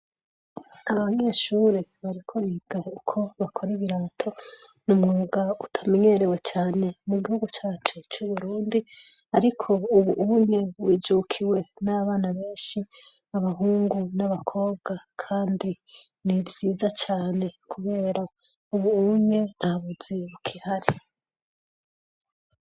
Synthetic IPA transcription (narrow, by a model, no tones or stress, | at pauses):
aβaɲe̞ːʃuːɾeβaɾikʰoɾiɡaukʰo̞βakʰo̞ɾiβiɾaːtʰo̞numŋoːɡautʰame̞ɲe̞ɾewe̞t͡ʃaːne̞muɡihuɡut͡ʃaːt͡ʃut͡ʃuβuɾuːndi | aɾikʰo̞uβuʔuɲeβwiːd͡ʒukʰiwe̞naβaːnaβe̞ːnʃi | aβaɦuːŋɡunaβakʰo̞ːβɡakʰaːndi | nivjiːzat͡ʃaːne̞kʰuβe̞ːɾa | uβuuɲe̞nhaβuz̥eβukʰihaɾi